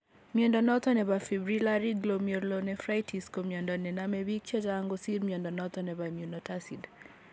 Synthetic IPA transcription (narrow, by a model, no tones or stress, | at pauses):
mjɔndɔnɔtɔnɛβafibɾilaɾiɡlomjoɾlonɛfɾajtʰiskomjɔndɔnɛnamɛβikt͡ʃɔt͡ʃaːŋɡosiɾmjɔndɔnɔtɔnɛbamjunɔtasid